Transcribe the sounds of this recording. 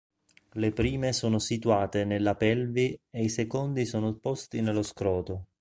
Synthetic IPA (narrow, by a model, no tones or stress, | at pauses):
lepɾiːmesoːnosit̪uaːt̪enelːapɛlvieisekond̪isoːnopɔst̪inelːoskɾɔːt̪o